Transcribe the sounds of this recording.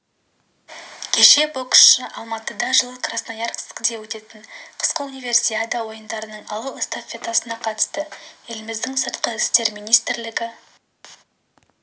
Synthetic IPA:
kʲʰe̞ʃe̞boksʃəʔɑlˠmɑt̪əd̪ɑʒəlˠəkʰrasnajɑɾqʰɪ̥skd̪ewɵt̪e̞t̪ɪɴqʰə̥sqəunijvʲe̞rsijad̪ɑwo̞jənd̪ɑɾənəɴɑlˠuɪst̪afʲe̞t̪asənɑqʰɑt̪ə̥st̪əje̞lɪmɪzd̪ɪŋsəɾt̪̚qəɪst̪e̞ɾmijnijst̪ɪɾlɪɡʲɪ

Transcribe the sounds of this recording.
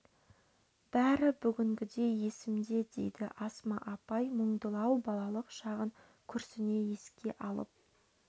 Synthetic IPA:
b̥æɾɪbʏɡʲɪŋɡʲɪd̪e̞jje̞sɪmd̪e̞d̪e̞̰jd̪ɪ̰ʔɑsmɑʔɑpɑjməɴd̪əlˠɑwbɑlˠɑlˠəqʃɑʁəŋ | kʲʰʏɾsɪne̞je̞skʲe̞ʔɑlˠə̰p̚

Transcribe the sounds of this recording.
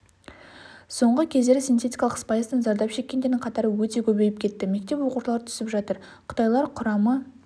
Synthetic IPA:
so̞ɴʁəkʲʰe̞zd̪e̞ɾɪsint̪ʰe̞t̪ijkɑlˠəqspɑjəst̪ənzɑɾd̪ɑpʃe̞kʲːend̪e̞ɾd̪ɪŋɴqʰɑt̪ɑɾəwɵt̪e̞kʲʰɵbe̞jɪp̚kʲʰe̞t̪ːɪme̞k̚t̪e̞pwo̞quʃlˠɑɾət̪ʰʏ̥sɪpʒɑt̪əɾ | qʰʊ̥t̪ɑjlˠɑɾqʰʊɾɑmə

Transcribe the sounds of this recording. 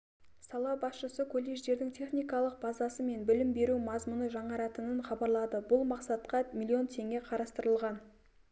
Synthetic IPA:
sɑlˠɑbɑsʃəsəkʰolʲˠːeʒd̪e̞ɾd̪ɪŋt̪ʲʰe̞χnijkɑlˠəq̚bɑzɑsəme̞nbɪlɪmbe̞ɾumɑzmʊnəʒɑɴɑɾɑt̪ənəɴχɑbɑɾlˠɑd̪əbʊlˠmɑqsɑt̪̚qɑmʲilʲːio̞nt̪ʰe̞ŋʲe̞qʰɑɾɑst̪əɾəlˠʁɑn

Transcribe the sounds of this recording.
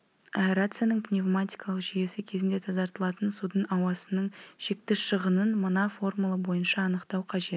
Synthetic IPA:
apeɾat̪sɨjanəɴpnʲevmat̪ʲijkɑlˠəqʒije̞sɪkʲʰezɪnd̪e̞t̪ʰɑzɑɾt̪əlˠɑt̪ənsud̪ənɑwɑsənəɴʒ̥e̞k̚t̪ɪʃəʁənənmənɑfo̞rmulˠɑbo̞jənʃɑːnəqt̪ɑwqʰɑʒe̞t̪

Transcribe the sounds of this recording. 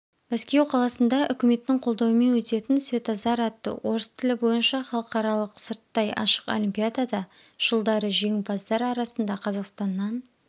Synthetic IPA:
bæskʲe̞wqʰɑlˠɑsənd̪ɑʔʏkʲɪme̞t̪ːɪŋqʰo̞lˠd̪ɑwəme̞nwɵt̪e̞t̪ɪnsvʲe̞t̪ɑzɑɾɑt̪ːə̰wʔo̞ɾəst̪ʰɪlɪbo̞jənʃɑχɑlˠəqɑɾɑlˠəqsəɾt̪ːɑjɑ̰ʃə̥qo̰lʲimpʲijad̪ad̪ɑ | ʒ̥əlˠd̪ɑɾəʒe̞ŋbɑzd̪ɑɾɑɾɑsənd̪ɑqʰɑzɑqst̪ɑnːɑn

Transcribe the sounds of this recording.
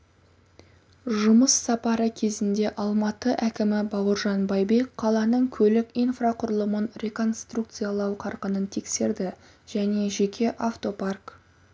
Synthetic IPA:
ʒʊməsːɑpɑɾəkʲʰe̞zɪnd̪e̞ʔɑlˠmɑt̪əʔækʲɪmɪbɑwəɾʒɑnbɑjbe̞kqʰːɑlˠɑnəɴkʲʰɵlɪkʲijnfraqʰʊɾəlˠəmənɾʲe̞ko̞nst̪ruk̚t̪sɨjalˠɑwqʰɑɾqənənt̪ʰe̞kse̞ɾd̪ɪ | ʒ̥æne̞ʒe̞kʲʰe̞ʔaft̪o̞park

